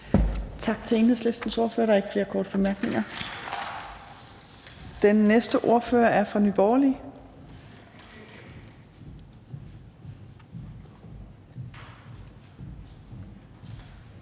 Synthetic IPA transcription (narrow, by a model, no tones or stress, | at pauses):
t͡sʰɑ̈ɡ̥t͡sʰe̝eːnheð̰ˠsle̝sd̥n̩so̝ɐfø̰ːɐɐe̝ɡ̥əfle̝ːɐkʰɒ̰ːd̥əb̥e̝mæɐɡ̥ne̝ŋɐ | d̥enːesd̥əʔo̝ɐ̰fø̰ːɐʔæɐfʁɑ̈nyb̥ɒːɐli